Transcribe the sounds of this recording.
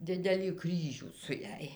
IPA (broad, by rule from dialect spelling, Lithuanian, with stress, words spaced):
ˈdʲɪdʲɛlʲiː ˈkrʲiːʒʲuː sʊ ˈjæːj